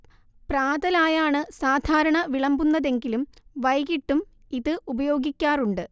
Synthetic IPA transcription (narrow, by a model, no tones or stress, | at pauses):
praːðɐlaːjaːɳɨsaːd̪ʱaːɾɐɳɐʋiɭɐmbunːɐðe̞ŋɡilumʋɐjɣiʈːum | iðɨʔubɐjo̞ːɡikʲːaːruɳɖɨ